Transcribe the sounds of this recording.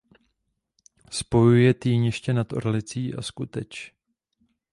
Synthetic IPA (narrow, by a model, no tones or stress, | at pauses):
spo̞jujɛt̪iːɲjɛʃcɛnat̪o̰ɾlɪt͡siːʔa̰skut̪ɛt͡ʃ